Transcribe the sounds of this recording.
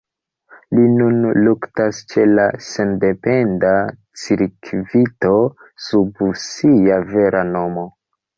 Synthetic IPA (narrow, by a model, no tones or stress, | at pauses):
linunluktast͡ʃe̞lase̞nde̞pe̞nda | t͡siɾkʰvito̞ | subusiave̞ɾano̞mo̞